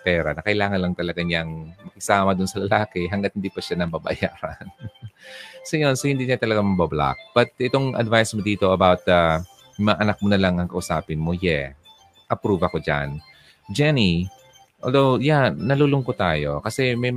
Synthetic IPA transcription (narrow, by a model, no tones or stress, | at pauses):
pɛːɾɐ̰nɐkɐʔɪlaːŋɐnlɐŋt̪ɐlɐɡaɲaŋmɐkɪɡsaːmɐd̪ʊnsɐlɐlaːkɛɦɐŋɡat̪̚hɪnd̪iːpɐʃanɐbɐbɐ̰jaːɾɐn | sojo̞nsohɪnd̪iːɲat̪ɐlɐɡamɐbɐbla̰k̚b̥ɐt̪̚ʔɪt̪o̞ŋʔɐ̰d̪vajsmod̪iːt̪o̞ʔɐbawt̪a | mɐŋaʔɐnɐk̚monɐlaŋʔɐŋkɐʔʊsaːpɪnmojɛ | ʔɐpɾuːbɐko̞d͡ʒa̰n | d͡ʒɛni | ʔoːld̪owjaːɐlulʊŋkot̪aːjo̞kɐsɛmɐj